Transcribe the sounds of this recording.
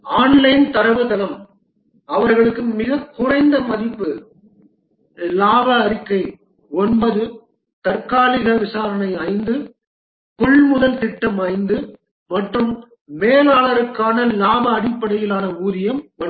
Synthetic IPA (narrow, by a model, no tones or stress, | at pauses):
aːnlɐɪnt̪ɐɾɐʋɯt̪ɐlɐm | ɐʋɐɾɣɐɭɯkːɯmɪɣɐkːʊrɐɪnd̪ɐmɐðɪpːɯ | laːbɐːɾɪkːɐɪ | ɔnbɐðɯ | t̪ɐɾkaːlɪɣɐʋɪsaːɾɐnɐɪɐɪnd̪ɯ | kʊɭmʊðɐlt̪ɪʈːɐmɐɪnd̪ɯ | mɐʈrɯmː | eːlaːɭɐɾɯkːaːnɐlaːbɐːɽɪpːɐɽɐjɪlaːnɐuːðɪjɐmʋɐ